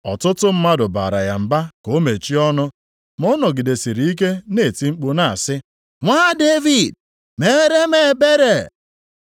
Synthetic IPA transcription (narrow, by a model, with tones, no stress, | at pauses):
ɔ̰˨tʊ˦tʊ˦m̩˦ma˦dʊ˨ba̰˨ɾa̰˨ja˨m̩˨ba˦ko˨˦me˨t͡ʃi˦ɔ˦nʊ˦ | mɔ˦nɔ˨ɡɪ˨de˨si˨ɾi˨i˦k̬e˦ne˦˨ti˦ŋ͡m̩˦k͡pu˦na˦˨a˨sɪ˦ | ŋʷaː˦de˦vi˨d̚ | me˦ɾe˦me˨be˦ɾe˨